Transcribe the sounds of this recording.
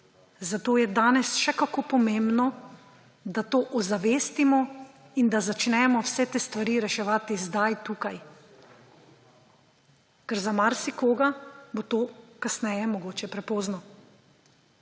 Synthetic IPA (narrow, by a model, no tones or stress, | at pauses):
zat̪oːjɛd̪aːnɛsʃɛkakoːpɔmembnɔ | d̪at̪oːʔɔzaʋeːst̪imɔ | ind̪azat͡ʃnɛmɔwsɛt̪eːst̪ʋaɾiːɾɛʃɛʋaːt̪izd̪ajt̪uːkaj | kɛɾzamaɾsikoːɡabot̪oːkasnɛːjɛmɔɡoːt͡ʃɛpɾɛpoːznɔ